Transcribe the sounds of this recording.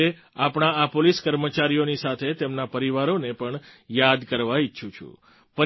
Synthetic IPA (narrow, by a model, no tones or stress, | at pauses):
e | apɽ̃aapoliskəɾmət͡ʃaɾijonisat̪ʰet̪emnapəɾiʋaɾonepəɳjad̪kəɾʋaiːʃʰũt͡ʃʰṵ̃ | pə